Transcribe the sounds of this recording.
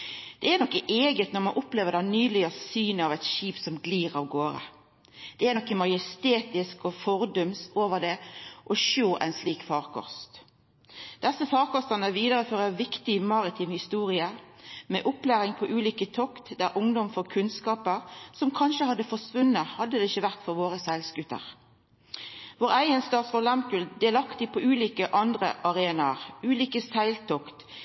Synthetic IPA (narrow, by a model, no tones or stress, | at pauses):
d̪̥ɛænɔkːəʔeːɡət̪nɔʁmɑnʔʊpleːʋəʁd̪æɪnyːlɪəsyːnəɑʋæɪt̪ʃiːpsɔmɡliːʁɑʋɡoːɾə̰ | d̪̥ɛænɔkːəmɑjəst̪eːt̪ɪskɔfɔɾd̪œmsoːʋəʁd̪ɛʔɔʃoːʔæ̰ɪnsliːkfɑːʁkʰɔ̰st̪ | d̪̥ɛsːəfɑːʁkɔst̪ənəʋiːd̪əɾəføːɾəʋɪkt̪ɪmɑɾɪt̪ʰiːmhɪst̪uːɾɪəɾmeːʔʊplæːʁɪŋpʰɔʔʉːliːkət̪ʰɔkt̪d̪æːʔʊŋd̪ɔmfɔkʰʉnskɑːpəʁsɔmkʰɑnʃəhɑd̪ːəfɔsʋʉnːəhɑd̪ːəd̪ɛɪçəʋæʁt̪fɔʁʋoːʁəsɛlsɡʉt̪ːə̰ʁ | ʋoːʁæɪənst̪ɑːt̪sfɔlɑmkʉld̪ɛːlɑkt̪ɪpʰɔʉːliːkəʔɑnd̪ʁəʔɑʁeːnɑʁʉːliːkəsæɪlt̪ʰɔkt̪